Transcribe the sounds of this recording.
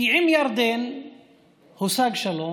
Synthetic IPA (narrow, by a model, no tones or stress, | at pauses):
iʕɪmjaɾd̪ɛn | hʊsaɡʃɐlɔ